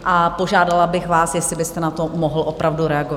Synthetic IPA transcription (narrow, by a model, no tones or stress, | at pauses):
ʔapo̞ʒaːdalabɪxvaːsjɛslɪbɪst̪ɛnat̪o̞moɦl̩ʔo̞pɾavduɾɛaɡov